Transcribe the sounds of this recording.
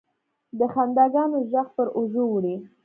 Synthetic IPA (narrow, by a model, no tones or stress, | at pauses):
d̪əxand̪ɑɡɑnoʒaxpəɾoʒowɽi